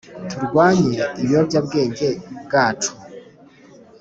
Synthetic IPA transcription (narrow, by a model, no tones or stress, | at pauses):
tuɾɡwaːɲeiβjobjabɡe̞ːɲɟe̞bɡaːtʰu̥